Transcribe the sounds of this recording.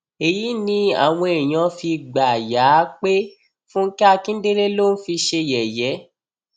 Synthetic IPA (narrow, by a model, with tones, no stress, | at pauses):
e˨ji˨˦nĩ˧˦a̰˦˨w̃ɔ̃˧e˨j̃ã˧fi˧ɡ͡ba˨ja˨˦k͡pe˦ | fũ˦ŋ̩˦ki˦a˧kĩ˦n̩˦de˦le˦lo˦˨n̩˦fi˧ʃe˧jɛ˨jɛ˨˦